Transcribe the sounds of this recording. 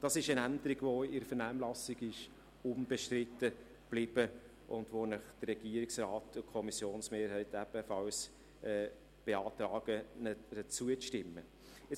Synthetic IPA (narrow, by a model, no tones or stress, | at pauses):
d̥ɑsɪʃənændəɾiɡvoɪɾfəɾnæːmlɑsɪɡɪʃ | ʊnb̥ɛʃtrɪt̪ːə | b̥lib̥ə | ʔʊndʋonəχd̥ərɛɡ̥iːəɾɪksrɑːtʊkʰɔmisjoːnsmeːɾhæɪtæb̥əfɑls | ɛː | b̥eɑːt̪rɑːɡ̥ənəət͡suəʃtɪmːə | ɛ